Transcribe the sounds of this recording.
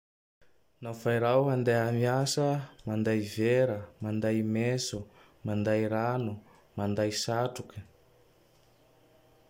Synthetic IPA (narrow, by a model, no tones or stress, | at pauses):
nafajɾawɦand̪eamiasəmand̪ajveɾəmand̪ajmesu | mand̪ajɾanu | mand̪ajsaʈ͡ʂukə̥